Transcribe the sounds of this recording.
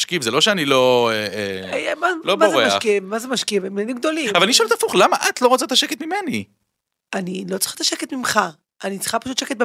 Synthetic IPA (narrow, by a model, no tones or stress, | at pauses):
ʃkivzelo̞ʃeanilo̞eeajmalobmaozeʁemaaʃkivmazemaʃkivemenimɡ̚d̪o̞liavalaniʃoeltafuχlamaʔat̪lo̞ʁot͡sat̪aʃeket̪mimeni | anilo̞t͡si̥χat̪aʃeket̪mimχa | ʔanit͡sχapaʃut̪ʃeket̪̚be